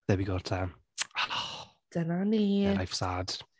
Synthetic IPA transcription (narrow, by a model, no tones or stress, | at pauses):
ɛbiɡɔrtʰa | anɔ | d̥ənaniːajfsaːd̥